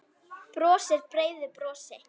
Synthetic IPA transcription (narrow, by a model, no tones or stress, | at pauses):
pɾɔːsɪɾpɾeːjðʏpɾɔːsɪ